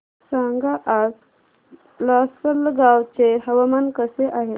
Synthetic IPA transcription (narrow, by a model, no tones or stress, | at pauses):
saŋɡaʔas | lasəlɡawt͡seɦəʋamankəseʔaɦe